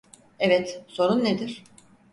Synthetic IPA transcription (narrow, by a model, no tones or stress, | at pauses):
ɛvɛt̪so̞ɾunːed̪iɾ̥